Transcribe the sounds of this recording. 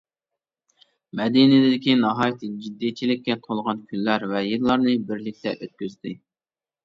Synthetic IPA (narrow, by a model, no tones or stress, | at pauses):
mɛd̪inɪlɪd̪ɪkʲinɑɦɑːjt̪ʰɨd͡ʒid̪ːijt͡ʃʰilɪkʲːɛt̪ʰolˠʁɑnkʲʰynlæɾvɛjiɾlˠɑɾnɨbɪɾlɪk̚ʲt̪ʰɛʔøt̪̚kʲyzd̪ɪ